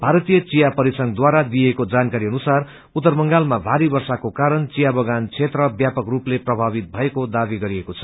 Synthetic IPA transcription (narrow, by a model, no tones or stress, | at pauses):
bʱaɾʌt̪ijʌt͡sijapʌɾisʌŋɡd̪waɾad̪ijekod͡zankaɾiʌnusar | ut̪ːʌrmʌŋɡalmabʱaɾibʌrsakokaɾʌnt͡sijabʌɡant͡sʰet̪rʌbjapʌkrupleprʌbʱabit̪̚bʱʌekod̪abiɡʌɾiekot͡sʰʌ̥